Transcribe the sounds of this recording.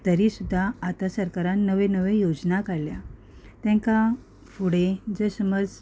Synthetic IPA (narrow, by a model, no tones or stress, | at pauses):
t̪əɾisud̪ʱːaːt̪asəɾkaɾãnnːəʋenəʋejod͡znakaɽlja | t̪jãŋka | fuɽed͡zəsəməd͡z